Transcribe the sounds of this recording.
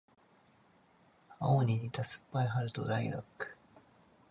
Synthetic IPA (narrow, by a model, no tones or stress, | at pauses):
a̰oɲʲiɲit̪asɨ̥pːaiɦaɾɯ̟t̪o̰ɾaiɡa̰kːɯ̥